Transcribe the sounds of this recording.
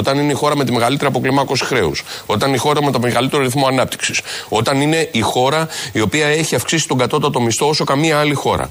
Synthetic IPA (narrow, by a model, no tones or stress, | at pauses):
ot̪ɐnineixo̞ɾɐmet̪ime̞ɣɐlit̪eɾiɐpo̞klimɐko̞si̥xɾe̞̰ṵso̞t̪ɐnixo̞ɾɐme̞t̪omeɣɐlit̪e̞ɾo̞ɾiθmo̞ɐnɐp̚t̪i̥ksi̥so̞t̪ɐnine̞ixo̞ɾɐio̞piɐe̞çiɐfksisi̥t̪o̞ɡɐt̪o̞t̪ɐt̪o̞mist̪o̞o̞so̞kɐmiɐɐlixo̞ɾɐ̰